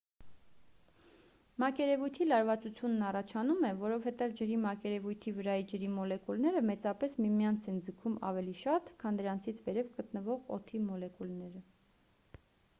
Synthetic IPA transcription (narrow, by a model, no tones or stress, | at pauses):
mɑkɛɾɛvujt̪ʰilɑɾvɑt͡sut͡sʰjunːɑrɑt͡ʃʰɑnumɛvɔɾɔvhɛt̪ɛvd͡ʒəɾimɑkɛɾɛvujt̪ʰivəɾɑjid͡ʒəɾimɔlɛkulnɛɾəmɛt͡sɑpɛsmimijɑnt͡sʰɛnd͡zəkʰumɑ̰vɛliʃɑt̪kʰɑnd̪əɾɑnt͡sʰit͡sʰvɛɾɛvɡət̪nəvɔʁɔ̰t̪ʰimɔlɛkulnɛɾə